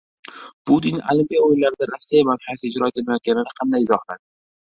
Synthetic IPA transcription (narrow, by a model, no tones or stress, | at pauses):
b̥ud̪ina̰limpijɒojlaɾɪd̪aɾasːijamanhajat̪ɪd͡ʒɾɒk̪ʰelnajɒt̪̚ɡʲanɪnɪqʰɑnd̪ajɪzɒhlad̪ɪ